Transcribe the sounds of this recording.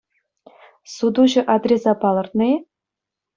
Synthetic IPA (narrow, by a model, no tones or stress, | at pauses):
sud̪uʑɤ̆ʔɑd̪rʲesɑpɑlˠɤ̆rt̪nɤ̆e